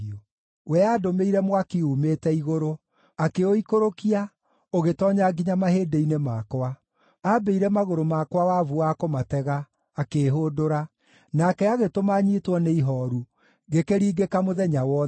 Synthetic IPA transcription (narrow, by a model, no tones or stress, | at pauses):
wɛaːdomeiɾɛmwakiuːmetɛiɣoɾo | akeoikoɾokia | oɣetɔːɲaɡiɲamaheːdeinemakwa | abeiɾɛmaɣoɾomakwawavuakomatɛɣaː | keːɦoːdoɾa | nakɛaɣetomaɲiːtwɔneiɦɔɾu | ɣekeɾiːɡekamoðɛɲawɔ